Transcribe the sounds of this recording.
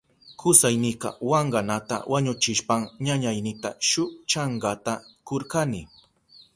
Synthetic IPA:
kʊsajnɪqɑ̰wɑɴɢɑnat̪a̰waɲʊt͡ʃɪʃpaŋɲaɲajnɪt̪aʃʊt͡ʃaɴɢɑt̪akoɾkanɪ

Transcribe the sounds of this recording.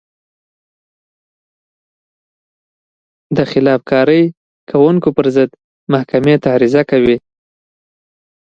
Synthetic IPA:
d̪əxɪlɑfkɑɾəj | kʰawuŋkopəɾzəd̪ | mahkamet̪aɾizakawi

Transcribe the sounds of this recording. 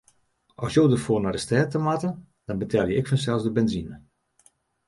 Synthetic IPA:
ʔɔsjoːdərfoːrnadəstɛːtəmatən | d̥ɔnbətʰɛlˠjəɪkfənsɛlˠsdəbɛnzinə

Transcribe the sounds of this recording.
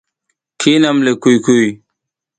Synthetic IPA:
kʰinɐmlekujkuj

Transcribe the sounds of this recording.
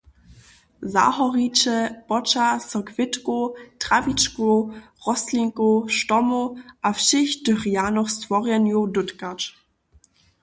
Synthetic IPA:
za̰hɔʁit͡ʃəpɔt͡ʃasɔkv̥ɪtkotʁ̥avit͡ʃko | ʁɔsliŋkoʃtɔmoʔafʃɪçdøʁjanɔxstvɔʁjɛnjudʊtkat͡ʃ

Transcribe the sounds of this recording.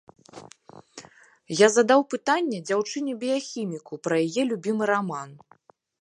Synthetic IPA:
jazɐd̪awpɨt̪anʲːɛd͡zʲawt͡ʂɨnʲɛbʲijaxʲimʲikupɾɐjajɛlʲubʲimɨɾaman

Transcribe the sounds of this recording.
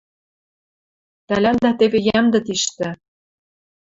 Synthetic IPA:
t̪ælænd̪æt̪eβejæmd̪ɘ̆t̪iʃt̪ɘ̆

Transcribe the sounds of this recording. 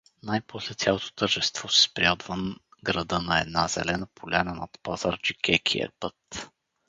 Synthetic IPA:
najpɔslɛt̪sʲjalˠot̪o̥t̪əɾʒɛst̪v̥ɔsɛ̥spɾʲiad̪vənɡɾɐd̪ɤnɐɛ̰d̪nazɛ̰lɛnəpolʲɛnənɐt̪pazaɾd͡ʒikʲɛkʰḭɛ̰pɤt̪

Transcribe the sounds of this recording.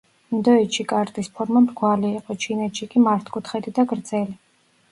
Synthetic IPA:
md̪ɔɛt͡ʃikʼaɾt̪ʼispʰɔɾmamɾɡwaliːqʼɔt͡ʃʰinɛt̪ʃikʼimaɾt̪ʰkʼut̪ʰχɛd̪id̪aɡɾd̪zɛli

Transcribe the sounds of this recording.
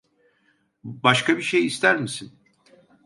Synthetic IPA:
baʃkabiʃejist̪ʰæɾmisin

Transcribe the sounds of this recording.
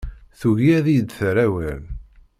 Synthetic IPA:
θuʝiæðijd̪θɾæwæl

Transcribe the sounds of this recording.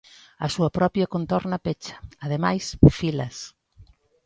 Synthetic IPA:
ɐsuɐpɾɔpjɐkont̪ɔɾnɐpet͡ʃɐ̥ːð̞emajsfilɐs

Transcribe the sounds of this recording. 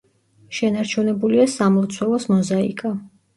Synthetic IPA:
ʃɛnaɾt͡ʃʰunɛbuliasamlˠɔt̪sʰwɛlˠɔsmɔzaḭkʼa

